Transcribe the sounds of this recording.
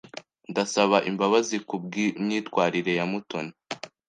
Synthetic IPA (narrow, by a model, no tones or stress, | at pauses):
ndasaβaʔimbaβazikub̚ɡimɲiːtkwaːɾiɾe̞jamutona